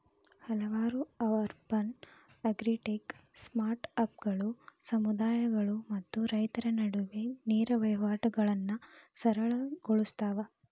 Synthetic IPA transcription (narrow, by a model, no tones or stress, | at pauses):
hɐlɐʋaːɾuɐʋɐɾbɐn | ɐɡɾiʈeksmaːɾʈɐp̚ɡɐɭusɐmud̪aːjɐɡɐɭumɐt̪ːuɾɐjt̪ɐɾɐnɐɽuʋeniːɾɐʋɐjʋaːʈɐɡɐɭɐnːɐsɐɾɐɭɐɡoɭust̪aːʋɐ